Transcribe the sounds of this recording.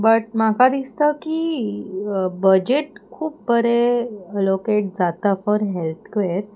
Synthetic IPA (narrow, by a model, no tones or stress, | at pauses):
bəʈ̚makad̪ist̪əki | bəd͡ʑeʈkʰuːp̚bəɾeəlokeʈ̚d͡zat̪afɔɾɦelt̪ʰkʋeɾ